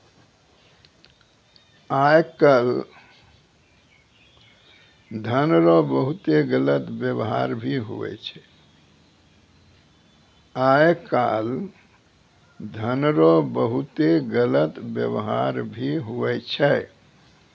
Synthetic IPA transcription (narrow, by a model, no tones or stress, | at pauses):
ajkəl | d̪ʱənɾɔbəɦut̪eɡələt̪bjəbɦa̰ɾbʱiɦṵɛ̰t͡ʃʰɛ | aekal | d̪ʱənɾɔbəɦut̪eɡələt̪bjə̰bɦa̰ɾbʱiɦuɛt͡ʃʰɛ